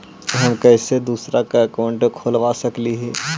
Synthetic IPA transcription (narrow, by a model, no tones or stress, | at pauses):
kɦɐmkɛːsed̪uːsɾakaɐkaːʊ̃ɳʈkʰoːlʋasɐkliɦɛː